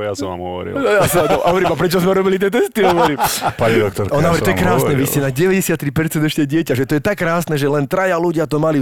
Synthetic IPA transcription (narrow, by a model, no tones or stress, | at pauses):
jasɔmʋa̰mɦɔ̰ʋɔ̰ɾḭljast̪ɔɔʋɛɾimapɾɛt͡ʃɔzmɛɾɔbilit̪̬ɪɛt̪̬ɛst̪iɦɔʋɔɾiːmpaɲid̪ɔkt̪ɔɾɔnaːʋɾɛt̪ɔjɛɛkɾaːsnɛʋiscɛnaɟɛʋɛɟɛsɪat̪ːɾipɛɾt͡sɛnd̪ɛʃcɛɟɪɛcaʒɛt̪ɔjɛt̪akːɾaːsnɛʒɛlɛnt̪ɾajaluɟɪat̪ɔmali